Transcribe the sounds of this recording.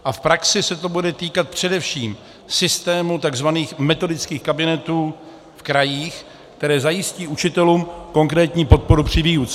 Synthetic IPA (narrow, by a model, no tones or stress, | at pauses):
ʔafpɾaksɪsɛt̪o̞budɛt̪iːkat̪̚pr̝̥ɛdɛfʃiːm | sɪst̪ɛːmut̪aɡzvaniːxmɛt̪o̞dɪt͡skiːxkabɪnɛt̪uː | fkɾajiːx | kt̪ɛɾɛːzajɪsciːʔut͡ʃɪt̪ɛluːmko̞ŋkɾɛːt̪ɲiːpo̞t̪̚po̞ɾupr̥ɪviːjut͡sɛ